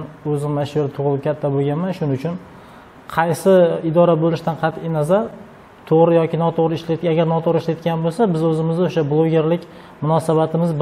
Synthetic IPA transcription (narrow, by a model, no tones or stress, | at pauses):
ɵzɪmmːaʃuɾɪt̪ʰʊʁlˠɪp̚kʲʰat̪ʰːaboɡʲanmanʃʊnɪʊt͡ʃʰʊn | qʰɑjsɪɪd̪ɒɾabolɪʃt̪anqʰɑt̪ʰɪjnazaɾ | t̪ʰoʁɾɪjɒkʲɪnɒt̪ʰoʁɾɪɪʃlaaɡʲaɾnɒt̪ʰoʁɾɪʃlajt̪ɡʲanbolˠsabɪzɵzɪmɪzd̪oʃablˠoɡʲe̞ɾlɪkʲ | mʊnɒsabat̪ʰɪmɪzb